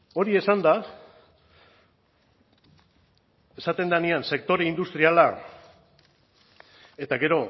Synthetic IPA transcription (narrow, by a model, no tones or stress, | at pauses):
o̞ɾie̞sand̪a | e̞sat̪e̞nd̪anianse̞kt̪o̞ɾe̞ind̪ust̪ɾiala | e̞t̪aɡe̞ɾo̞